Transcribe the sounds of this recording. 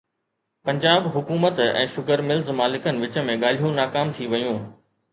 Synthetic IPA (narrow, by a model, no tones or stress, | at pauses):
pɐ̃ɲd͡ʑaːbɦʊkuːmət̪ɛ̰̃ːʃʊkəɾmɪlzmaːlɪkənɪ̆ʋɪt͡ɕə̆mẽɠaːl̤ijũnaːkaːmt̪ʰiʋɐjũː